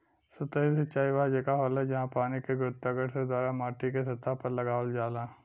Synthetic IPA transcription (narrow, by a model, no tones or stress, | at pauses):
sɐt̪əisɐt͡ʃaːiʋaːd͡ʒekaɦɔːlɛd͡ʒɐɦãpaːnikeɡɾʊt̪ːaɡəɽsed̪waːɾamaːʈikes̬ɐt̪ːapɐɾlɐɡaːʋəld͡ʒaːlaː